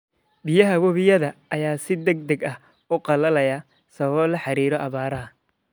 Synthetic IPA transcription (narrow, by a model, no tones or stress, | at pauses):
bɪjɐɦɐwɔβɪjɐðɐʔɐjaːsɪd̪ɐɡ̚d̪ɐɡɐh | ʊqɑlɐlɐjɐ | sɐβɐβɔːlɐħɑɾiːɾɔʔɐβaːɾɐɦɐ